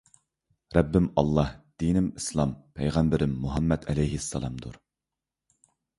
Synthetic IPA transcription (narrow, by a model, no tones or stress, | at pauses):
ɾɛbːɪmɑlˠːɑhd̪̥inɪmislˠɑmpʰɛjʁæmbɪɾɪmːuɦɑmːɛd̪ɛlɛjɦɪsːɑ̰lˠɑmd̪ṵɾ